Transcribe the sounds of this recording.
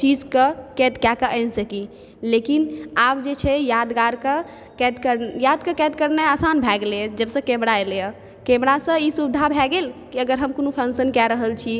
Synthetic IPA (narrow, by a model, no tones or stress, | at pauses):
t͡ʃid͡ʒkəkɛt̪kakəʔənsəki | lekinabd͡ʒet͡ʃʰɛjad̪ɡaɾkə | kɛt̪kəɾjad̪kəkɛt̪̚kəɾnɛasanbʱɛɡled͡ʒəbsə̃kẽmɾaelejə | kẽmɾasə̃isubd̪ʱabʱɛɡelkiəɡəɾɦəmkonupʰənsənkɛɾəɦəlt͡ʃʰi